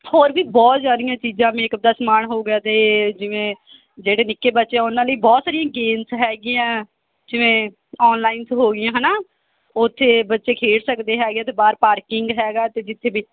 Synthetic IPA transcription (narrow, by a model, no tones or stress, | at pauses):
hoːɾbiːbɔːt̪s̬jaːd̪ɪjãːt͡ʃiːd͡ʒãːʋẽːkəd̪aːsmaːɳɦoːɡaːt̪eːd͡ʒɪʋẽː | d͡ʒeːɽeːnɪkːeːbətːʃeaːʊnãːləiːbɔːt̪saːɾɪjãːɡeːnsɦɛːɡɪjãː | d͡ʒɪʋẽː | ɔːnlaːɪnt̪ːɦoːɡɪjãːɦɛnaː | ʊt̪ʰːeːbətːʃeːkʰeːɽsəkd̪eːɦɛːɡjãːt̪eːbaːɾpaːɾkɪŋɡɦɛːɡaːt̪eːd͡ʒɪt̪ʰːeːbiː